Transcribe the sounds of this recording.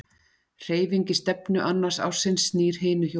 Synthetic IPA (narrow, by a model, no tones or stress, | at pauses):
r̥eːjviɲcɪst̪ɛpnʏʔanːaɾsa̰wsɪnsniːɾ̥ɦɪːnʏço